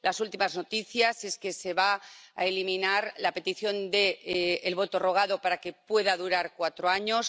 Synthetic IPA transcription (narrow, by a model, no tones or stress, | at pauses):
lasult̪imazno̞t̪iθjase̞ske̞se̞βaa̰elimĩnaɾlape̞t̪iθjo̞nd̪e̞ːlβo̞t̪o̞ro̞ɣ̞aðo̞paɾake̞pwe̞ðaðuɾaɾkwat̪ɾoaɲo̞s